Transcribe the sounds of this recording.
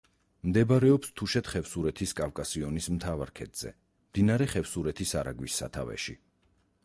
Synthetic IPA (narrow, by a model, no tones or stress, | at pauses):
md̪ɛbɾɛɔpst̪ʰuʃɛt̪χɛfsuɾɛt̪ʰiskʼavkʼasiɔnismt̪ʰavaɾkʰɛd̪z̥ɛ̰ | md̪inaɾɛχɛfsuɾɛt̪ʰisaɾa̰ɡwisːa̰t̪ʰavɛ̰ʃḭ